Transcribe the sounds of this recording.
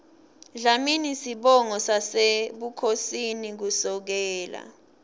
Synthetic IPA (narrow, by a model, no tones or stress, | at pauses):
ɮaminisiɓɔŋɔsaseɓukʰosinik̬usɔk̬ɛːla̰